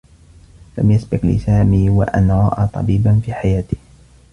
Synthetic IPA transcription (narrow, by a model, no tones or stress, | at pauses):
la̰mjasbɪqlɪ̰saːmiːwa̰ʔanʕaːʔat̪ˤɑ̰biːbanfiːħajaːt̪ɪ̥h